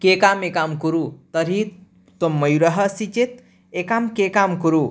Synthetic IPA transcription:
kekamekamkuɾut̪ɐɾi | t̪omːɐjɾəɦəsit͡ʃet̪̚ | ekamkekamkuɾu

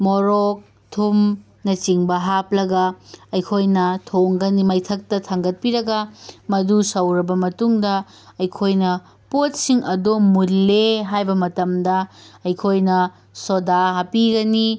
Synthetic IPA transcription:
moɾok̚ | tʰum | nɐt͡ʃiŋbɐɦaplɐɡɐɐjkʰojnɐtʰoŋɡɐnimɐjtʰɐk̚tɐtʰaŋɡɐt̚piɾɐɡɐmɐdusɐwɾɐbɐmɐtuŋdɐ | ɐjkʰojnɐ | pot̚siŋɐdomulːeɦajbɐmɐtɐmdɐɐjkʰojnɐ | sodaɦapiɡɐni

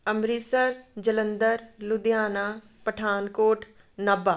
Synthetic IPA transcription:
əmɾisəɾd͡ʒələnd̪əɾlʊd̪ɪjaːnaː | pəʈʰaːnkoːʈʰ | naːbaː

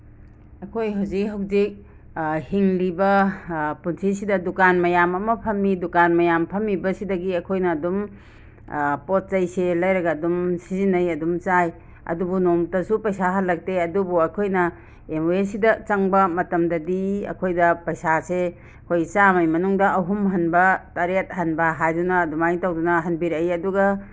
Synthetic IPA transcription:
ɐkʰojɦawzik̚ɦɐwzik̚ | hiŋlibɐpunsʰisidɐdukanmɐjamɐmɐpʰɐmːidukanmɐjampʰɐmːibɐsidɐɡiɐkʰojnɐːdum | pot̚t͡ʃɐjselɐjɾɐɡɐːdumsizinɐjɐdumt͡ʃaj | ɐ̰dubunomtɐsupɐjsaɦɐlɐk̚teɐdubuɐkʰojnɐ | emoesidɐt͡ʃɐŋbɐmɐtɐmdɐdiɐ̰kʰojdɐpɐjsase | ɐkʰojt͡ʃamɐjmɐnuŋdɐʔɐɦumɦɐnbɐtɐɾet̚hɐnbɐɦajdunɐːdumajŋtawdunɐɦɐnbiɾɐjɐduɡɐ

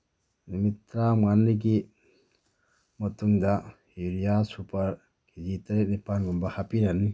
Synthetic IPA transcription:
nimitɾamanːiɡi | mɐtuŋda | iɾijasupʰɐɾ | ɡizitaɾik̚nipanɡumbɐhapiɾani

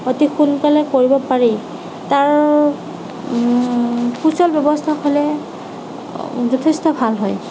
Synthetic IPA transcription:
otixunkalɛkoɹibɔpaɹi | taɹ | pʰusɔlbjɔbɔstʰaxʰolɛ | zɔtʰestɔbʱalɦɔj

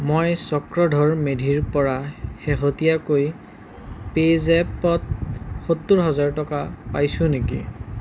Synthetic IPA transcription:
mojsɔkɹɔdʱɔɹmedʱiɹpɔɹaheɦotijakoj | pezɛpɔt̚xotːuɹɦɔzaɹtɔkapajsʊ̃nekḭ

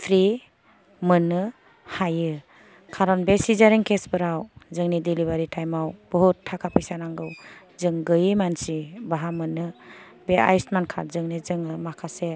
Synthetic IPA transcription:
pʰɾi | mɯnɯ | hajɯ | kʰaɾɔnbesizaɾiŋkʰesbɯɾawzɯŋnidiliβaɾitʰajmawb̥ɔɦutʰːakʰapʰɯjsanaŋɡɯw | zɯŋɡɯjɯmansibaɦamɯnɯbea̰jsmankʰa̰ɾzɯŋnizɯŋɯmakʰase

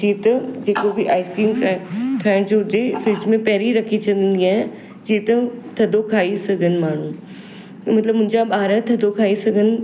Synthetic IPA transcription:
d͡ʑiːt̪ɐd͡ʑeːkobɪʔaːɪskɾiːmʰʈʰaːɪɽ̃d͡ʑoʊt̪efɪd͡ʑmẽpɐɦɾiɾɐkʰit͡ɕɐ̃nd̪iːnd̪iaːɦɪ̃ | d͡ʑiːt̪ɐt̪ʰɐd̪ʱokʰaːisɐɡʱənɪ̆maːɳ̤ũ | mɐt̪ləbmʊ̃ɦɪ̃ɲd͡ʑaɓaːɾət̪ʰɐd̪ʱokʰaːisɐɡʱənɪ̆

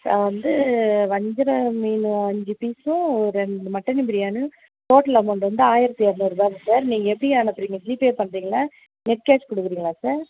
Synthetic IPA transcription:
saʋɐnd̪ɯʋɐɲd͡ʒɪɾɐmiːnʊ̃ɐɲd͡ʒɯpiːsʊ̃ɔɾɯɛɳɖɯmɐʈːɐnɪbɪɾɪjaːnɯ | t̪oːʈːlaːmɐɳɖɯʋɐnd̪ɯaːjɪɾɐt̪ːiaɾnɯɾɯbaːɣɐsaːɾniːŋɡɐɛpːɐɽɪaːnɐpːɯɾiːŋɡɐsɪliːpeːpɐɳɾiːŋɡɐlaː | nɛʈ̚keːskɔɽɯkːɯɾiːŋɡɐɭaːsaːɾ

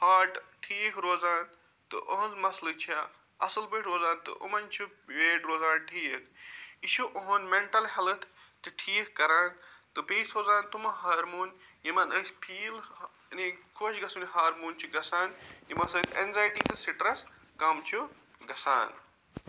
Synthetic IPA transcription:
haːʈʈʰiːkɾoːzaːn | t̪ɨ̰ʔɐɦnzmɐslɨt͡ʃʰia | ɐsɨlbɨːʈɾoːzaːnt̪ɨ̰ʔṵmɐnt͡ʃʰu | ʋeːʈɾoːzaːnʈʰiːkʰiʃuʔoɦonmeɳʈɐlɦɐlɨt̪ʰt̪ɨʈʰiːkkɐɾaːnt̪ɨpeːsɾoːzaːnt̪umɐɦaːɾmuːnjimɐnɐspʰiːl | nikʰoːʃɡɐsunɦaːɾmuːnʲt͡ʃʰuɡɐsaːnjimɐsɐt̪enzaːjʈiːt̪ɨsiʈɾɐs | kɐmt͡ʃʰu | ɡɐsa̰ːn

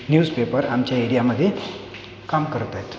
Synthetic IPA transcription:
njuːd͡zpepəɾamt͡ɕjaeɽijaməd̪ʱːje | kamkəɾt̪at̪

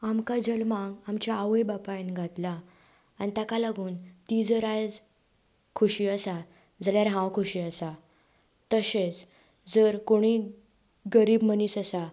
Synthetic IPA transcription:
amkad͡zəlmãɡamt͡ɕjaːʋəjbapajnɡʱat̪laː | nit̪akalaɡuːnt̪id͡zəɾajd͡z | kʰuɕiəsa | d͡zaljaɾɦãwkʰuɕiːəsa | t̪əɕet͡s | d͡zəɾkoɽ̃i | ɡəɾiːbməniːsasa

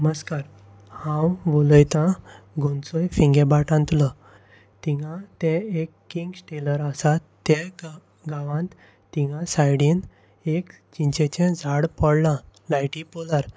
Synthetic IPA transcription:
məskaɾ | hãwʋoləjt̪ãɡʱont͡sojfĩŋɡɛbaʈãnt̪lɔ | t̪iŋãt̪ɛ̃ekːiŋɡsʈeləɾasat̪ːɛ̃ | ɡaʋãnt̪ | t̪iŋãsajɽiːn | ek | t͡ɕiɲt͡ɕɛ̃t͡ɕɛ̃d͡zʱaɽpɔɽlãlajʈipolaɾ

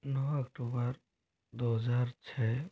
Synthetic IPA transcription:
nɔɐkʈuːbəɾ | d̪oɦəzaːɾt͡ʃʰɛː

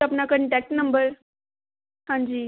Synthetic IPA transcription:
apnakəɾnʈɛk̚snəmbəɾ | hãɲd͡ʑiː

